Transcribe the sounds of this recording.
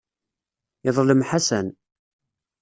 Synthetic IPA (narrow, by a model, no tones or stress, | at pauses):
ɪðˤləmħasæn